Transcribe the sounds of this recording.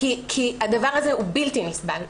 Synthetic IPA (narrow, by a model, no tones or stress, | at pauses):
kikʰiad̪avaʁazehubiltinisbal